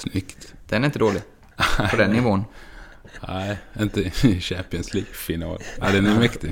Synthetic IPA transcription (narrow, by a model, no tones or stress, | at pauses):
snʏkt̪d̪̥ɛnɾɪnt̪əd̪oːlɪɡ | ɔd̪ɛnːɪvoːən | æɪɪnt̪əɪʃæpɪənsliːɡfɪnɑ̰ːlad̪ɛnɛmɛkt̪ɪ